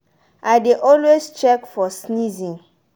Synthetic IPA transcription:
ʔaɪdeʔɔlwest͡ʃɛkfɔsnizĩn

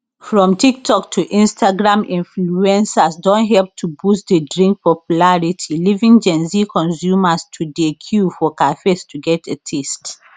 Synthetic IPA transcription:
fɹɔ̃mtʰik̚tʰɔktʰuʔĩnstaɡɹãmĩnfluɛ̃nsasdɔ̃nɦɛlp̚tʰubustdədɹĩŋk̚pɔpjulaɹitʰilivĩŋd͡ʒɛ̃nzikʰɔ̃nsjumastʰudekʰjufɔkafestʰuɡɛtetʰɛst

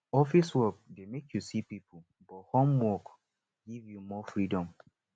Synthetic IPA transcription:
ɔfiswɛp̚demekʰjusipipʰu | bɔthɔ̃mwɔk | ɡivjumɔfɹidɔ̃m

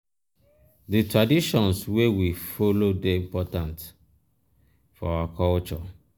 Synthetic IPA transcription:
ditɹadiʃɔ̃nswewifolodeĩmpɔtãnt | fɔawakʰɔlt͡ʃɔ

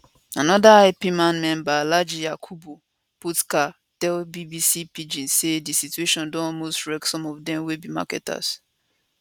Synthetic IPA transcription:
anɔdaapimãnmɛ̃mbalad͡ʒijakʰubo | putka | tɛlbibisipid͡ʒĩnsedisitueʃɔ̃ndɔ̃mostɹɛksɔ̃mɔvdɛ̃mwebima̰kɛ̰ta̰s

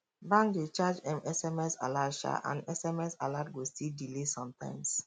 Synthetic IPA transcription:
bãŋk̚det͡ʃad͡ʒɛ̃mɛsɛmɛsa̰laʃa̰ʔã̰nɛsɛmɛsalat̚ɡostildilesɔ̃mtã̰ɪ̃ms

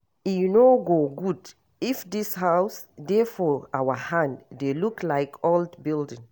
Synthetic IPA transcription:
inoɡoɡud | ifdishaʊsdɛfɔawəhãnddeluklaɪkʰɔldbildĩŋ

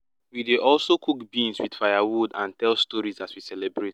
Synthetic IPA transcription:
wideʔɔlsokukbĩnswid̥fajawudã̰ntɛlstɔɹizatwisɛlɛbɹet

